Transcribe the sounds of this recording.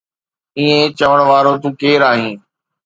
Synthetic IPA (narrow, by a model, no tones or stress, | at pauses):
iːẽt͡ɕɐʋəɽ̃ʋaːɾot̪̬ũːkeːɾaːɦĩː